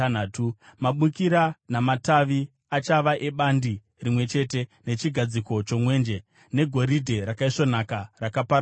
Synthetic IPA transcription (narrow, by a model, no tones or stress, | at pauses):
nːtumaɓukiɾanamataʋi | at͡ʃaʋaʔeɓandi | rimwe̞t͡ʃe̞te̞ne̞t͡ʃiɡʱad͡ziko̞t͡ʃo̞mwe̞ːnd͡ʒe̞ | ne̞ɡʱo̞ɾidʱe̞ɾakaiʂonakarakapaɾ